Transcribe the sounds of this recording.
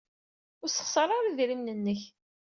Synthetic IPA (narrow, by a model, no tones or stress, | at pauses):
ʊɾsə̥χsəɾˤaɾiðɾimnənːəç